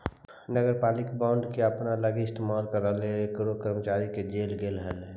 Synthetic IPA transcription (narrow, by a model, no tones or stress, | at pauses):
nəɡəɾpaːlɪkbãʊɳɖkeəpnaləɡiɪst̪emaːlkəɾəlekɾokəɾmət͡ʃaːɾiked͡ʒeːlɡeːlɦəl